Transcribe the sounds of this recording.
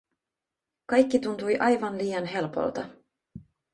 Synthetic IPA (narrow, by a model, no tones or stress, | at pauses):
kɑjk̟ːit̪unt̪ujʔɑjʋɑnliːjɑnɦe̞lpo̰lt̪ɑ